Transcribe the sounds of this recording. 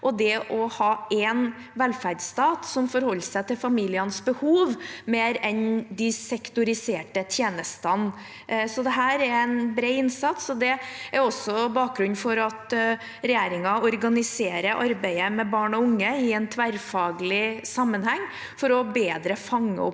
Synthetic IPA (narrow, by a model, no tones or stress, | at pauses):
ʔɔd̪ɛʔɔhɑːɛn | ʋɛlfæɖst̪ɑːt̪sɔmfɔɾhɔlːsæɪt̪ʰɪlfɑmiːlɪənsbəhuːʋmeːɾɛnd̪ɪsɛkt̪ʊɾɪseːʈət̪ʰjeːnəst̪ən | sɔd̪ɛɦæːɾæɾæɪnbɾeːɪnsɑt̪sɔd̪ɛæɾɔsːɔbɑːk̚ɡɾʉnːfɔɾɑt̪ | ɾɛjeːɾɪŋɑɔɾɡɑnɪseːɾəɾʔɑɾbæɪəmɛbɑːɳɔʊŋːəɪɛnt̪ʰʋæɾfɑːɡlɪsɑmːənhɛŋː | fɔɾɔbeːd̪ɾəfɑŋːə̰ɔ̰pː